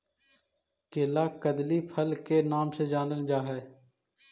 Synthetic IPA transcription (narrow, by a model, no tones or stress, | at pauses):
keːlaːkəd̪liːpʰəlkenaːmsed͡ʒaːnəld͡ʒaːɦɛː